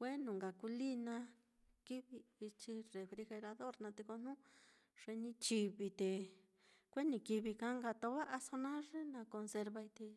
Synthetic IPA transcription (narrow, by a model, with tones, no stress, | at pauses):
kʷe˦nũ˨ŋɡa˨ku˧li˦nã˧ | ki˦βi˧i˧t͡ʃi˧re˧fɾi˧xe˧ɾa˧ðo˦ɾnã˧t̪e˧ko˧n̥ũ˦ | ʐ̥e˧nĩ˧t͡ʃi˧βi˧t̪e˨ | kʷe˦nĩ˧ki˧βi˧kã˧˦ŋɡa˧t̪o˧˦βa˦ʔa˧so˧nã˦ʐe˦nã˧ko˧nse˧ɾβa˧i˧t̪e˧